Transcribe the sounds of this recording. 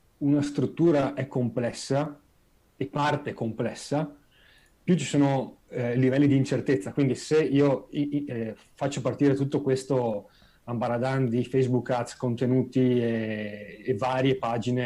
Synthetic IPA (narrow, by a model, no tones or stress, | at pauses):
unast̪ɾut̪ːuːɾaʔɛkːomplɛsːa | epːart̪ekomplɛsːa | pjut͡ʃi̥soːnolivɛlːid̪iːnt͡ʃert̪et̪sːakwind̪iseiːoi | fat͡ʃːopart̪iːɾet̪ut̪ːokwest̪o | ambaɾad̪and̪ifejsbukːat̪skont̪enuːt̪ieː | vaːɾjepaːd͡ʒine